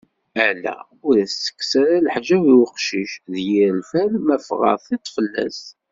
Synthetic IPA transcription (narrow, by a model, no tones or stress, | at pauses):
ælæ̰ | ʊɾæsə̥kːsæɾælħʒæviwəqʃiʃðjilfælmæfʁɑ̰θˤit̪ˤːfəlːæ̰s